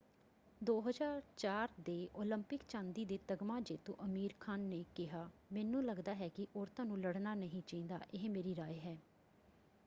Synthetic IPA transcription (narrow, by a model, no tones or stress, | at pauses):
d̪oːɦəzaːɾt͡ʃaːɾd̪eːʔoːləmpɪkt͡ʃãːnd̪iːd̪eːt̪əɡmãːd͡ʒeːt̪õ̰ːʔəmiːɾkʰaːnːeːkɪɦaːmɛːnũːləɡd̪aːɦɛːkɪʔɔːɾt̪ãːnũːləɽnaːnəɦĩːt͡ʃaːĩːnd̪a̰ːʔɪɦmeːɾiːɾaːjɦɛː